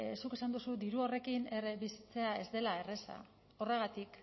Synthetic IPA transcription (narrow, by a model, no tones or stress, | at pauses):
suke̞sand̪usud̪iɾuo̞re̞kineɾeβisi̥t͡se̞ae̞zd̪e̞lae̞re̞sa̰ | o̞re̞ɣ̞at̪ik